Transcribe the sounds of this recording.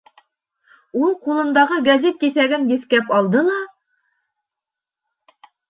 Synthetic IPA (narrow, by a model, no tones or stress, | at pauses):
ulˠqulˠɤ̆nd̪ɑʁɤɡæzet̪̚kiθæɡɘnjɘ̆θkæpɑlˠd̪ɤlˠɑ